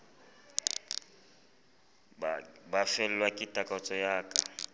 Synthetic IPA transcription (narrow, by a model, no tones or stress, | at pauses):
bafɛlɛlwakʼɪtʼakʼɔt͡sʼɔjaːkʼa